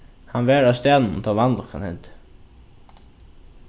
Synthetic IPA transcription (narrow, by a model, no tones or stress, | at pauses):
hanvɛːɹast̪jaːnnnt̪ʰaːvanlɔkha̰nhɛnt̪